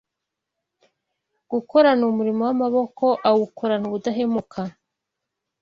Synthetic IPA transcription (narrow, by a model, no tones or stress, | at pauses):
ɡ̥uko̞ɾanumuɾimowamaβo̞ko̞ʔawɡukʰoɾanuβudaɦemukʰa